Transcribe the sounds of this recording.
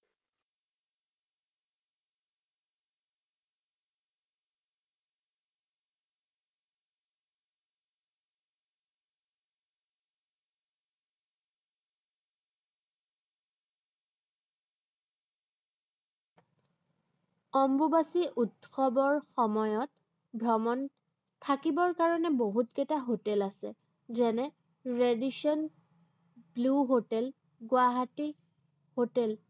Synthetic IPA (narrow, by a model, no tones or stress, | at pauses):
ɔmbubasiʔutxɔbɔɹxɔmɔjɔt | bʱɹɔmɔn | tʰakibɔɹkaɹɔnɛboɦutkɛtaɦotɛlasɛ | zɛnɛ | ɹediʃɔn | bluɦotɛl | ɡwaɦati | hotɛl